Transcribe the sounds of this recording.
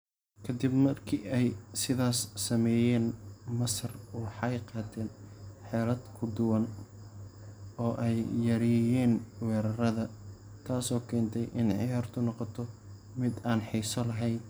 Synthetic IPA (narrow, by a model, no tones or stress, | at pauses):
kʰɐd̪ɪbmɐrkʰḭːʔɛjsɪðaːsːɐmɛːjɛːnmɐsɐrwħɑjqɑːt̪ʰɛːnħɛːɾɐd̪kʰʊd̪ʊwɐn | ɔːʔɛjːɐɾijɛːnwɛːɾɐɾɐðɐ | t̪ʰaːsɔːkʰɛːnt̪ʰɛjʔɪnʕɪ̰jaːrt̪ʰʊnɔqɔt̪ʰɔ | mɪd̪aːnħisɔlɐɦɛjn